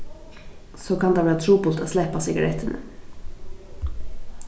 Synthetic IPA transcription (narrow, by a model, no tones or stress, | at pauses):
soːkʰɑnd̪ɑːʋæːɾɑt̪ʰɾuːbʊlt̪o̰ːslæɪpɑsɪɡɑ̰ɾʔɛt̪ʰənʔə̰